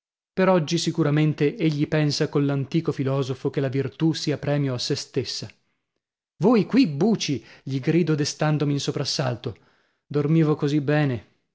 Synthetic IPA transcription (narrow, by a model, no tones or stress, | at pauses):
peɾɔd͡ʒːisikuɾament̪eeʎːipɛnsakonlant̪iːkofilɔːzofokelavirt̪usiːapɾɛːmjoasːest̪esːa | voːjkwibuːt͡ʃiʎiɡɾiːd̪od̪est̪and̪omiːnsopɾasːalt̪o | d̪ormiːvokozibːɛːne